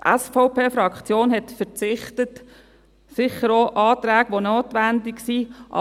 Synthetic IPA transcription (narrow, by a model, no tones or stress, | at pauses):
tʔæ̰sfɔʊpeːfɾɑkχt͡sjoːnhɛtfəɾt͡sɪχtət | sɪχəɾoʔɑːtɾæːɡ̥ʋonoːtʋændɪksiʔɑ̰